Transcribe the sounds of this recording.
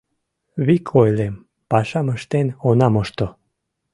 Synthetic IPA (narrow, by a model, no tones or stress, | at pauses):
βikʰojlem | pɑʃɑməʃt̪enonɑmoʃt̪o